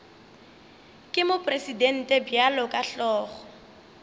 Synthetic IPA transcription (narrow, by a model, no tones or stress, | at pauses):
kʼɪmʊpʼresidɛn̩tʼɛbjalɔkʼaɬɔːχɔ̥